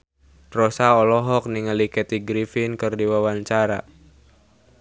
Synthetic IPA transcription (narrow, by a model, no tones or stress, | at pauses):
rɔsaɔlɔɦɔk̚niŋəlikɛt̪iɡɾifinkɨrdiwawaɲt͡ʃaɾa̰